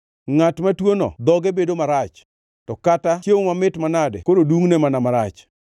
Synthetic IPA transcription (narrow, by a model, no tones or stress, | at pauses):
ŋatmatwonɔ̰d̪ɔɡebedomaɾat͡ʃ | tɔkatat͡ʃjewoŋamɪtmanadḛkoɾoduŋnemanamaɾat͡ʃ